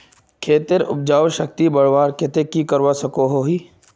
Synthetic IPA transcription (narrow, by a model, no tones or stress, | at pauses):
kʰeːt̪ɪɾʊ̰p̚d͡ʒaːʋʃək̚t̪ibɐɽʋaːɾkɪt̪ekikəɾʋasɐkoɦoɦiː